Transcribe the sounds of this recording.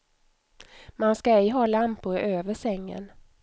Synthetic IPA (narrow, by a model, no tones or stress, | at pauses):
manskaɛjɦɑːlampʊɾøːvəʂɛŋːə̰n